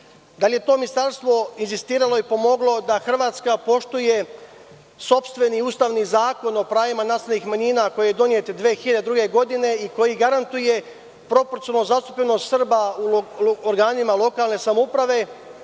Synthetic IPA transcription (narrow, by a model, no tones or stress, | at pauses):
d̪alje̞t̪o̞ːminist̪aɾst̪ʋo̞inzist̪iːɾalˠo̞ipo̞mo̞ɡlˠo̞d̪axr̩ʋaːt̪skapo̞ʃt̪uje̞ | so̞pst̪ʋe̞niuːst̪aːʋnizaːko̞no̞pɾaːjimanast̪alnixmaɲiːnako̞jijed̪o̞nije̞t̪d̪ʋeːxilʎad̪ed̪ɾuːɡe̞ɡo̞d̪ine̞iko̞jiɡaɾant̪uje̞ | pɾo̞poɾt̪siolnozast̪u̥pʎeno̞st̪sr̩bauoɾɡaːnimalˠo̞kaːlˠne̞samoupɾaʋe̞